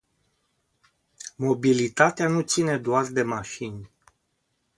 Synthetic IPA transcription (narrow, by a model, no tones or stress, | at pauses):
mo̞bilit̪at̪eanut̪sine̞d̪oard̪e̞maʃinʲ